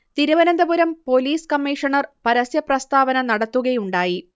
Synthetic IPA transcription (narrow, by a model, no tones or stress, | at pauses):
t̪iɾuʋɐnɐnd̪ɐbuɾɐmpo̞liːskɐmːiʂɐɳɐrpɐɾɐsjɐprɐst̪aːbɐnɐnɐɽɐt̪ːuɣɐjuɳɖaːji